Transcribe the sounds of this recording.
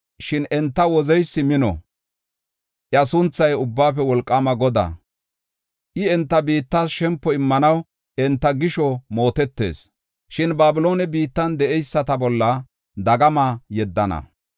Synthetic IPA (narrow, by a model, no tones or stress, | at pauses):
ʃɪnɛnt̪ːɐwɔzɛjsːɪmɪnɔ̰ | ʔjɐsʊnt͡sːɐjʊbːaːpɛwɔlkʼːamɐɡɔd̪ɐ̰ | ʔɪɛnt̪ːɐbiːt̪ːaːsʃɛmpːɔɪmːɐnɐw | ɛnt̪ːɐɡɪʃɔmo̞ːt̪ɛt̪ːe̞̰ːs | ʃɪnbaːbɪlo̞ːnɛbiːt̪ːɐnd̪ɛʔɛjsːɐt̪ɐbɔlːɐ | d̪ɐɡɐmajɛd̪ːɐnɐ̰